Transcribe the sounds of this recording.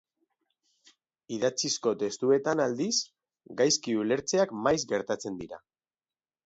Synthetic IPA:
iðat͡sisko̞t̪e̞st̪ue̞t̪anald̪is | ɡajskiule̞ɾt͡se̞akmajzɡe̞ɾt̪at͡se̞nd̪iɾa̰

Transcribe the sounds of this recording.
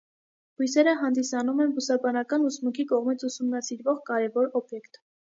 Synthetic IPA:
hujsɛɾəɦɑnd̪isɑnumɛnbusɑbɑnɑkɑnusmukʰikɔʁmit͡sʰusumnɑsiɾvɔʁkɑɾɛvɔɾɔbjɛkt̪

